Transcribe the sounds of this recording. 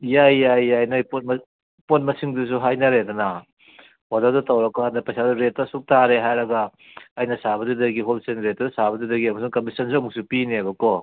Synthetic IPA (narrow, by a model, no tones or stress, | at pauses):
jajjajajnɐpt | pot̚mɐsiŋdusuɦajnɐɾedɐna | wadadɐtɐwɾɐkanapɐjsaduɾetːɐsuk̚taɾeɦajɾɐɡaː | jnɐsaβɐdudɐɡiɦolsenɾet̚ːɐdusabɐdudɐɡiɐmɐsuŋkɐmisɐnsiɔmuk̚supiniabɐkɔ